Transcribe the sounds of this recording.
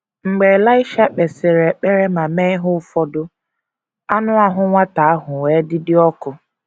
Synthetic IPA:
ŋ͡m̩˨ɡ͡be˨la˦ɪ˦ʃa˦k͡pe˨sɪ˨ɾe˨k͡pe˦ɾe˦ma˨me˦ɪ˦ɦʊ˦fɔ˦dʊ˦ | a˦nʊ˦a˦ɦʊ˦ŋʷa˦ta˨a˦ɦʊ˨we˨˦dɪ˦dɪ˦ɔ˦kʊ˨

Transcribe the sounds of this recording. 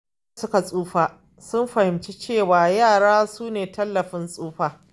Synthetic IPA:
sʊ˦ka˨sʼuː˦ɸaː˨ | sʊ˦mɸɐ˨hɪ˨mt͡ʃe˦t͡ʃeː˦˨waː˨jaː˦˨ɽaː˦suː˦neː˨tɐ˦lːɐ˨ɸɪ˦nsʼuː˦ɸaː˨

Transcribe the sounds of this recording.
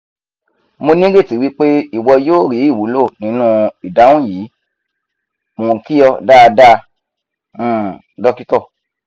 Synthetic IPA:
mo˧nĩ˦ɡe˦˨ti˨˦wi˦k͡pe˦i˦˨wɔ˧joː˦˨ɾi˨˦i˦˨wu˨˦lo˦˨nĩ˨˦nũ˦i˨da˨˦wũ˦˨jiː˨˦ | mõ˨ki˦jɔ˧da˦˧da˦˧˦ | dɔ˧ki˦tɔ˦˨

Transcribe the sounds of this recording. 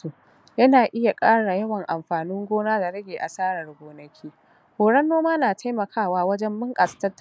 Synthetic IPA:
u˨ | jɐ˦naː˨ʔɪ˦ja˨kʼaː˦ɽa˨jɐ˦wɐ˨ŋʔa˨mɸaː˨nɪ˦ŋɡʷoː˦naː˦da˨ɽɐ˦ɡʲeː˨ʔa˨saː˦ɽɐ˨rɡʷoː˨nɐ˦kʲʰiː˦ | hoː˨ɽɐ˦nːoː˦maː˦naː˨tʰa˦jmɐ˨kʰaː˦˨waː˦wɐ˦d͡ʒɛ˦mːʊ˦ŋkʼa˨stɐ˦tː

